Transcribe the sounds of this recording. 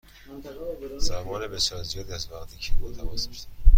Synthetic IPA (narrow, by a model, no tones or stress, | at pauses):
z̥æmɒːnebesjɒːɾzijɒːd̪iæzvæɣt̪ʰiːcʰebut̪ʰæmɒsmiʃt̪